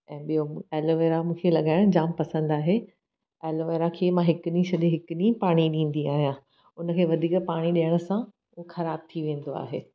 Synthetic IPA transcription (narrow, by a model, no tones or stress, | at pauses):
ɛ̃ːɓijoeːloʋeːɾamũːkʰelɐɠaːɪɽ̃d͡ʑaːmpɐsə̃nd̪aːɦe | eːloʋeːɾakʰeːmãɦɪkʊnĩsɐɗẽɦɪkʊɗĩpaːɽ̃iɗĩːn̆d̪iaːɦijã | ʊnə̆kʰeːʋɐd̪ʱiːkpaːɽ̃iɗijəɽ̃ə̆sã | xɐɾaːb̚t̪ʰiʋẽːn̆d̪oa̰ːɦeː